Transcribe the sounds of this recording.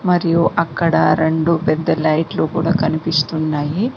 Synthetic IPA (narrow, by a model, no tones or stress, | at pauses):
mɐɾijuʔɐkːɐɽɐɾe̞ɳɖupɛd̪ːɐlɐjʈloːkuːɽaːkɐnipist̪unːaːji